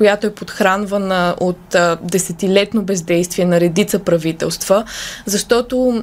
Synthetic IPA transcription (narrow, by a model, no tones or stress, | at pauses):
kojat̪oɛpot̪xɾanvənəʔot̪d̪ɛsɛt̪ilɛt̪nobɛzd̪ɛjst̪viɛnɐɾɛd̪it̪səpɾɐvit̪ɛ̰lˠst̪v̥əzɐʃt̪ɔt̪o